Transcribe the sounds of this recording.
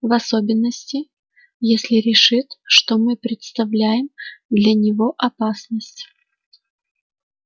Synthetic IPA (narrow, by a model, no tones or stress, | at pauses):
vɐsobʲɪnːəsʲtʲɪ | jesʲlʲɪɾʲɪʂɨt̪ʲʂt̪omɨpɾʲɪt̪st̪ɐvlʲæjɪmd̪lʲɐnʲɪvo̞ʔɐpasnəsʲtʲ